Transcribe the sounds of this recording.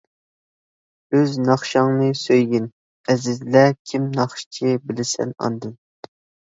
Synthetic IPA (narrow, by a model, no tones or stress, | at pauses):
øznɑχʃɑŋnɨsøjɡʲɪn | ɛzɪzlɛkʲʰimnɑχʃt͡ʃʰibɪlɪsɛ̰nɑ̰nd̪ɨn